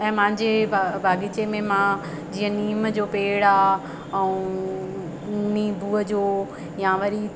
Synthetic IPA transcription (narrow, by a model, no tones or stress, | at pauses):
ɛ̃ːm̃ãɲd͡ʑebʱbʱaːɡɪt͡ɕemẽmã | d͡ʑiːə̃niːməd͡ʑoːpeːɽa | ɛ̃ũ | niːbʱuːəd͡ʑoː | jãʋɐɾi